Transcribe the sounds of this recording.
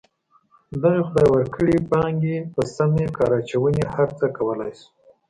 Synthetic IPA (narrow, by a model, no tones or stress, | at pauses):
d̪ɑjxʊd̪ɑjwəɾkʰəɽipɑŋɡepəsamekɑɾɑt͡ʃawənehaɾt͡səkawəlɑjsu̥